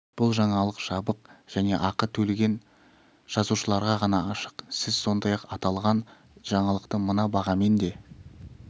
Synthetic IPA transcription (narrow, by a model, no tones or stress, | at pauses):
b̥ʊlˠʒɑɴɑlˠəqʒ̥ɑbəqʒ̥æne̞ʔɑqət̪ʰɵlɡʲe̞n | ʒ̥ɑzuʃəlˠɑɾʁɑʁɑnɑɑʃə̥qsɪzso̞nd̪ɑjɑqɑt̪ɑlˠʁɑn | ʒɑɴɑlˠəqt̪əmənɑbɑʁɑme̞nd̪e̞